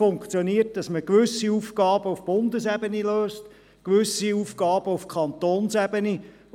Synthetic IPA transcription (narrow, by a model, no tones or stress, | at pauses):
ʊŋkt͡sjoniːət̚d̥ɑsməkʋʏsːiuːfkɑːb̥əufb̥ʊndəsɛbəniløːst | kʋʉsiuːfkɑːb̥əufkʰχɑnt̪oːnsɛbəni